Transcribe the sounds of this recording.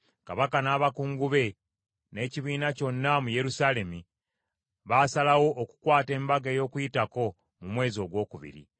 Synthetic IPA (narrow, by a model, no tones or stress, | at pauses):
kaβakanaːβakuːŋɡuβe̞ | ne̞ːciβiːnaco̞nːamuje̞ɾusaːle̞mi | βaːsalawo̞ʔːku̥kwaːte̞ːmbaɡeːjo̞ːkujitako̞ | mumwe̞ːzio̞ɡwo̞ːkuβḭɾḭ